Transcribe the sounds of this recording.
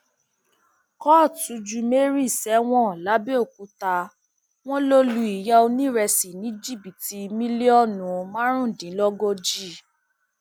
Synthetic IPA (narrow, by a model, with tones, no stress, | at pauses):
kɔ˦˨tu˨˦d͡ʒu˧me˦ɾi˦˨sɛ˨˦w̃ɔ̃˦˨la˨˦be˦o˦˨k̚u˨˧˦ta˧ | w̃ɔ̃˦lo˦lu˧˦i˨ja˧o˧nĩ˦ɾɛ˧si˨nĩ˨˦d͡ʒi˦˨bi˨ti˧mĩ˦le˦ɔ˦˨nũ˨˧mã˦ɾ̃ũ˦˨dĩ˨˦lɔ˦ɡɔ˦d͡ʒi˦˨